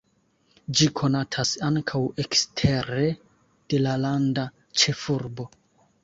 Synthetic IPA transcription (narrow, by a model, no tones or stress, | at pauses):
d͡ʒikʰo̞natʰasaŋkʰawekstʰe̞ɾe̞ | d̥e̞lalanda | t͡ʃe̞fuɾbo̞